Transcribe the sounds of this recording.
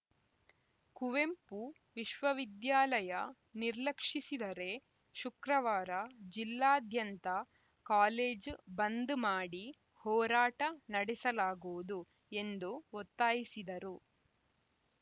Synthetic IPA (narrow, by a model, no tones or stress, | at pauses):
kuʋe̞mpu | ʋiʃʋɐʋid̪jaːlɐjɐ | niɾlɐkʂisid̪ɐɾe̞ | ʃukɾɐʋaːɾɐd͡ʒilːaːd̪ʱjɐnt̪ɐ | kaːleːd͡ʒbɐnd̪umaːɽi | hɔːɾaːʈɐnɐɽɛsɐlaːɡoːud̪u | e̞nd̪uot̪ːaːjisid̪ɐɾu